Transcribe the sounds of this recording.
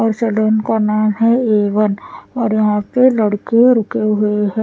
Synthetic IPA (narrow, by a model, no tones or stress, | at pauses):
ɔːɾt͡ʃɐlənkanaɦɛeːʋənɔːɾjɐɦãpelɐɽkeɾʊkeɦʊeɦɛː